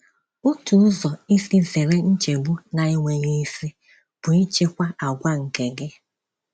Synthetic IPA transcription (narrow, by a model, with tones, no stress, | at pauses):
ʊ˦tu˨˦zɔ˨i˦si˦ze˨ɾe˦n̩˦t͡ʃe˨bu˦na˨ɪ˦ŋʷe˨ɲe˦i˦si˦ | b̥ʊ˨i˦t͡ʃe˦kʷa˦ʔa˨ɡʷa˦ŋ̩˨ke˨ɡɪ˦